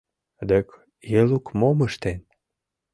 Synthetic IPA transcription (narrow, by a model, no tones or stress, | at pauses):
d̪ək | jelukmoməʃt̪en